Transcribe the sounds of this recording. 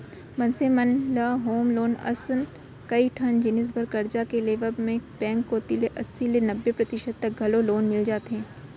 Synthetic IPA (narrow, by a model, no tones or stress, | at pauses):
mɐ̃nsemənlaɦoːmloːnɐ̰sən | kɐiʈʰɐnd͡ʒɪnɪs̬bɐɾkɐɾd͡ʒakeleːʋəbmẽbɛ̃ːŋkːoːt̪ileʔɐsːilenɐbːepɾɐt̪ɪʃəd̪̚t̪ɐk̚ɡʱɐloloːnmɪld͡ʒaːt̪ɦẽː